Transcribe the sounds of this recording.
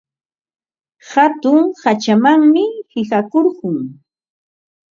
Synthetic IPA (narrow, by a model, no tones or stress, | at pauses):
hat̪ʊŋhat͡ʃamaŋmɪhɪɢakoɾɢʊŋ